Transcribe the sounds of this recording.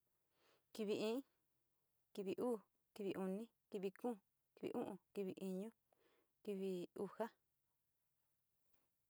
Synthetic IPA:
ki˧βi˧ʔĩː˦ | ki˧βi˨˧ʔuː˦˨ | ki˧βi˧ʔu˧nĩ˦ki˧βi˧kũː˦˨ | ki˨βḭ˨ʔũ˦ʔũ˨ki˧βḭ˨˧ʔĩ˧ɲũ˦ | ki˧βi˧u˧ha˦

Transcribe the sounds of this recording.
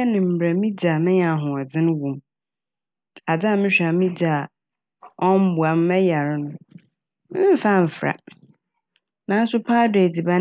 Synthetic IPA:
ɛ˦nɪ̃˨m̩˨bɾɛ˨mĩ˦d͡ʑa˨mɪ̃˦a˨ɦʊ̃˨a˨d͡zɪ̃˦ñ˦wũ˨m | a˨d͡za˦˨mɪ̃˦ɕᶣa˨mĩ˦d͡ʑa˨ | ɔ̃˦m˦bu˨a˨m˦mɛ˦ja˨ɾɪ˦nʊ̃˨ | mɪ˦m˦fã˦m̩˨fɾa̰˨ | nã˨˦n̩˦sʊ˦pʰaː˦de˨di˨ba˦

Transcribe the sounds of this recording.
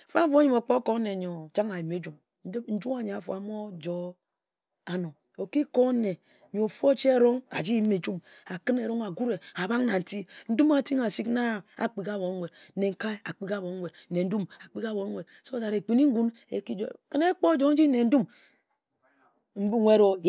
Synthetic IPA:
fa˦fo˦ɲi˨mo˨k͡po˦ko˦ne˨ɲo˨d͡ʒa˦ŋa˨i˨me˦d͡ʒu˨m | n̩˦dn̩˦d͡ʒu˦a˨ɲ˨a˨fo̰˨a˨mo˦d͡ʒo˦ | a˨no˨ | o˨ki˦ko˦ne˨ | ɲo˨fo˦t͡ʃe˦e˦ɾo˦ŋa̰˨d͡ʒi˦jme˨d͡ʒu˦ma˨kɨ˦ne˨ɾo˦ŋa˨ɡu˦ɾe˨a˨ba˦ŋna˨n̩˨ti˦n̩˦du˦ma˨ti˦ŋa˨si˦kna˦˨a̰˨k͡pi˨ka˦bo˨˦we˨d̩˦ne˨ŋ̩˦ka˦a̰˨k͡pi˦ka˦˨bo˨˦we˨d̩̚˨ne˨n̩˦du˦ma˨k͡pi˦ka˦bo˨˦we˨d̚so˦d͡ʒa˨ɾe˨k͡pi˨ni˦ŋ̩˦ɡu˦n | ḛ˨ki˦d͡ʒo˦˨kɨ˦ne˦k͡po˦d͡ʒo˦n̩˦d͡ʒi˦ne˨n̩˦du˦m | m̩˦bu˦e˦ɾo˦j

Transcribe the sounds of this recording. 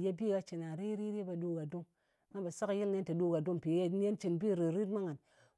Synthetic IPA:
je˦bi˦˨ɡa˦t͡ʃi˨na˨ɾi˦ɾi˦ɾe˦ba˨du˦ɡa˨du˦ŋ˦ | ŋa˦ba˨sa˦kji˦lne˦nta˨du˦ɡa˨du˦ŋpi˨˦n˦e˦nt͡ʃi˨nbi˦ɾi˨ɾi˦tma˦ŋa˨n

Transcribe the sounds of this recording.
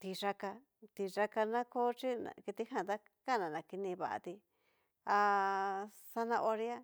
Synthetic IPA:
t̪i˧ʐa˧ka˧ | t̪i˧ʐa˧ka˧nã˦ko˦t͡ʃi˦nã̰˧ki˧t̪i˦hã˧˨t̪a˦ | ka˦˨nã˨nã˨ki˧nĩ˧βa˧ʔa̰˧t̪i˧ | a˧ | sa˧nã˧ʔo˧ɾi˦a˦

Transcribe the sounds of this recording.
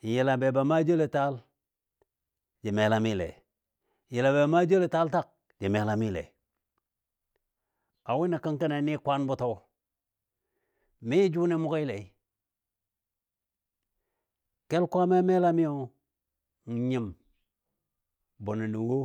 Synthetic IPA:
i˨ji˨la˨be˨ba˨˦ma˦d͡ʒo˦le˨ta˦l | d͡ʒi˨me˨la˦mi˦lḛ˨ | ji˨la˨be˨ba˨˦ma˦d͡ʒo˦le˨ta˦lta˦˨k̚ | d͡ʒi˨me˨˦la˦mi˦lḛ˨ | a˨wi˦ni˨ki˦ŋki˦na˨˦ni˦kʷa˦nbu˦to˦ | mi˦d͡ʒu˦ni˦mu˦ki˦le˨i˨˦ | ke˦lkʷa˦me˦me˦la˦mi˦o˨ | n˨ɲi˦˨m | bo˨ni˨ni˨wo˦

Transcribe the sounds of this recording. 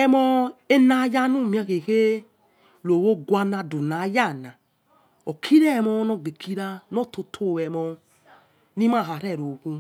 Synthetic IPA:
ɛ˧mɔ˧e˦na˨˦ja˦nu˦˨mĩ˦a˧ke˨ke˦ | lo˨wo˦ɡʷa˧na˧du˨na˨˦ja˦˨na˨ | o˨kʰi˦ɾɛ˦˨mɔ˧˦nɔ˧˨ɡ͡be˨kʰi˦ɾa˧nɔ˦to˧tʰo˦˨wɛ˨mɔ˧ | nĩ˦ma˦˨ɦa˨ɾɛ˦˨ɾo˨ku˧

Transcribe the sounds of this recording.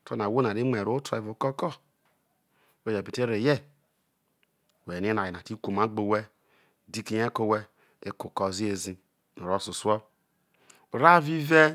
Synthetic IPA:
to˦na˨wo˦na˨ɾi˦me˨ɾo˦tɾa˨e˨vo˨kɔ˦kɔ˦˨ | we˦˨d͡ʒe˨pi˨te˦ɾe˨je˦˨ | we˨ni˦˨a˨ji˨na˨ti˦ku˨ma˦ɡ͡bo˨we˦ | di˦ki˨je˦ko˨we˦ | e˦ko˨kɔ˨zi˦e˨zi˦ | no˨ɾo˦˨su˨su˦ɔ˦ | u˨ɾa˦vi˦ve˦

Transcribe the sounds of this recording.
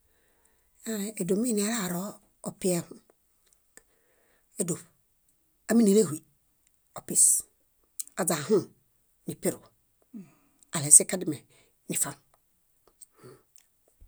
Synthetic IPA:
a˦ɾe˨e˨do˨mi˦ni˨a˦ɾa˦˨ɾo˦ | o˨pi˦e˦hu˦ | e˦do˨b | a˦mi˦ni˨ɾe˦˨hʷwi˨ | o˨pi˨s | a˨d͡za˨ɦũ˦ | ni˨pe˦ɾu˨ | a˨le˨˦si˦ka˦di˦me˨ | ni˨fa˦n˨

